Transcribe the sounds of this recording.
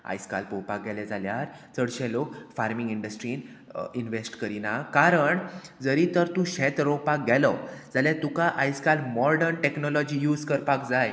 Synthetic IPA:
a̰jska̰lpowpak̚ɡɛlɛd͡zaljaɾ | t͡səɽɕɛlokfaɾmiŋɡiɳɖəsʈɾin | inʋesʈkəɾinakaɾəɳd͡zəɾit̪əɾt̪ũɕɛt̪ɾowpak̚ɡɛlɔd͡zaljat̪ũkaʔajskalmɔɾɖəɾɳʈeknɔlɔd͡ʑiːjuːd͡zkəɾpakd͡zaj

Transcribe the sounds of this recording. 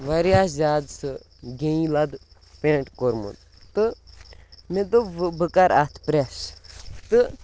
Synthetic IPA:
ʋɐɾjaːszaːd̪sɨ | ɡẽĩlɐd̪ | pẽʈkoɾmṵd̪ | t̪ɨ | med̪obɨkɐɾat̪ʰpɾest̪ɨ

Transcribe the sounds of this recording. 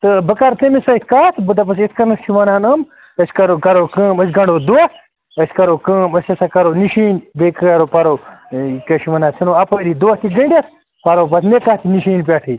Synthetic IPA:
t̪ɨbəkaɾt̪ɐmisɐit̪̚ʰʲkaːt̪ʰbɨd̪ɐp̬ɐsit̪ʰkɐnɨst͡ʃʰiʋɐnaːnəm | əsʲkɐɾoːkɐɾoːkəːməsʲɡɐɳɖoːd̪uat̪ʰ | əsʲkɐɾoːkəːməsʲɐsakɐɾoːniʃiːnbekɐɾopɐɾoːkɐʃʰiʋɐnaːsʰinoːɐpɐɾiːd̪uɐht̪iɡɐɳɖʲiɐt̪̚ʰ | pɐɾoːpɐsmekaːt̪ʰiniʃiːnp̬ʲaːʈʰi

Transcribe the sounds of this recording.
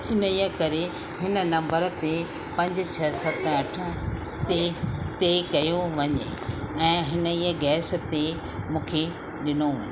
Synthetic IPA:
ɪnijəkɐɾe | hɪnə̆nɐ̃mbəɾt̪e | pɐ̃ɲd͡ʑ̆t͡ɕʰɐsɐt̪ɐʈʰə | t̪et̪ekɐjoʋɐɲḛɛ̃ːɦɪnəiːəɡɛːs̆t̪e | mũːkʰe | ɗɪno

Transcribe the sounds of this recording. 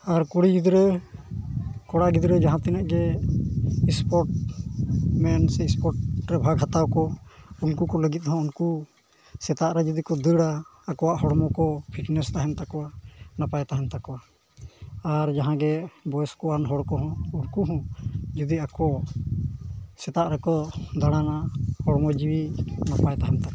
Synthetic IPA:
aɾkuɽid͡ʒud̪ɾɛ | kɔɽaɡid̪ɾɛd͡ʒaɦãt̪inaʔɡɛ | ispɔɾʈ | mɛnsɛispɔɾʈɾɛbʱaɡɦat̪awkɔunkukɔləɡit̪̚ˀhɔ̃unku | sɛt̪aʔɾɛd͡ʒud̪ikɔd̪əɽaːkɔwaʔɦɔɽmɔkɔpʰiʈnɛst̪aɦɛnt̪akɔwanapajt̪aɦɛnt̪akɔwa | aɾd͡ʒaɦãɡɛbɔjskɔanɦɔɽkɔɦɔ̃uɽkuɦɔ̃d͡ʒud̪iakɔ | sɛt̪aʔɾɛkɔd̪aɽ̃anaʔhɔɽɔmɔd͡ʒiwinapajt̪aɦɛnt̪ak

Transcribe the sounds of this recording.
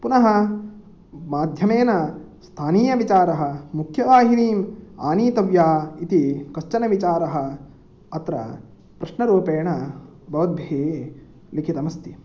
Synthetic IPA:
punɐɦɐ | maːd̪ʱjɐmeːnɐst̪ʰaːniːjɐʋit͡ʃaːɾɐɦɐ̆mukʰjɐʋaːɦiniːma̰ːniːt̪ɐʋjaːit̪ikɐʃt͡ʃɐnɐʋit͡ʃaːɾɐɦɐ̆ | ɐt̪ɾɐ̰ | pɾɐʃnɐɾuːɐpeːɳɐ | bʱɐʋɐd̪̚bʱeː | likʰit̪ɐmɐst̪i

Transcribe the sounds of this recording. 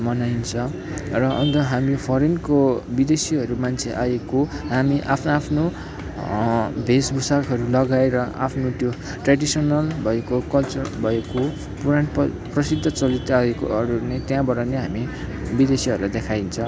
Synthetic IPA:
mʌnajnt͡sʰʌ̃ | rʌʔʌ̰nt̪ʌɦamipʰʌɾenkobid̪esiʌɾumant͡sʰeʔaeko | ɦamiʔa̰pʰnapʰno | bʱesbusakɦʌɾulʌɡaeɾʌʔa̰pʰnot̪jo | ʈraɖisʌnʌlbʱʌekokʌlt͡sʌrbʱʌeko | puɾan | prʌsid̪ʱːʌt͡sʌlit̪aekoʌɾunet̪jãbʌɾaneɦamibid̪esiʌɾulajd̪ekʰajnt͡sʰʌ̃

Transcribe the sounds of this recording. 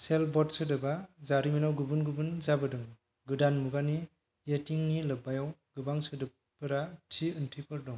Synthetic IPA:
selbɔtsɯdɯbazaɾiminawɡɯbɯnɡɯbɯnzabɯdɯŋ | ɡɯdanmuɡani | jetiŋnilɯbajawɡ̥ɯbaŋsɯdɯ | pɯɾatʰiɯntʰipʰɯɾdɔŋ

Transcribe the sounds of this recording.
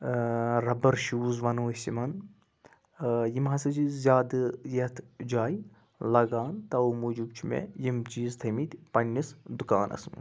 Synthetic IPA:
ɾɐbɐɾʃuːzʋɐnoːsʲimɐn | jimɦɐsɐt͡ʃizʲaːd̪ɨjɐt̪ʰd͡ʒaːj | lɐɡaːnt̪ɐumud͡ʒub̚t͡ʃʰimḛjimt͡ʃiːzt̪ʰɐmit̪ʲpɐnʲːisd̪ukaːnʔɐ̰smɐ̰n

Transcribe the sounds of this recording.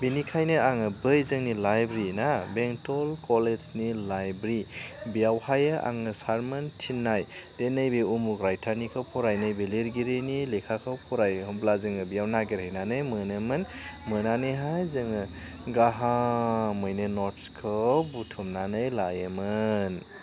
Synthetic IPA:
binikʰajnɯaŋɯbɯjzɯŋnilajbɾinabeŋtɔlkɔleznilajbɾibijawhajɯʔa̰ŋɯsaɾmɯntʰinːajd̥enɯjbeumukɾajtʰaɾnikʰawpʰɔɾajnɯjbeleɾɡiɾenilekʰakʰawpʰɔɾajblazɯŋɯbijawnaɡeɾejnanɯjmɯnɯmɯnmɯnaniɦajzɯŋɯ | ɡaɦamɯjnɯnɔɾtskʰɔbutʰumnanɯjlajɯmɯn

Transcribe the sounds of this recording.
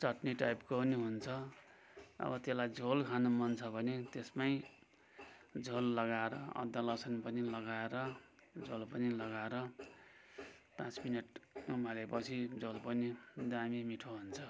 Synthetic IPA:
t͡sʌʈniʈajpkopʌniɦunt͡sʰʌ | ʌ̰bʌt̪eslajd͡zʱolkʰanomʌnt͡sʰʌbʱʌnet̪esmaj | d͡zolːʌɡaeɾʌʌ̰d̪ːʌlʌsʌnpʌnilʌɡaeɾʌ | d͡zolpʌnilʌɡaeɾʌ | pãt͡sminʌʈmʌlepʌt͡sʰid͡zolpʌnid̪amimiʈʰoɦunt͡sʰʌ

